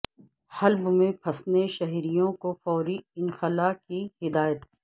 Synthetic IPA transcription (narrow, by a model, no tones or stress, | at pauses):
hɐlbmẽpʰɐsneʃɐɦiɾijõkofɔːɾiɪnxɐlaːkihɪd̪aːjət̪